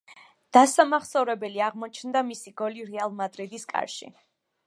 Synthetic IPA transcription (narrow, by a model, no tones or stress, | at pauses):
d̪̥asamaχsɔvɾɛbɛliaʁmɔt͡ʃʰnd̪amisiɡɔliɾɛalˠmad̪ɾid̪iskʼa̰ɾʃḭ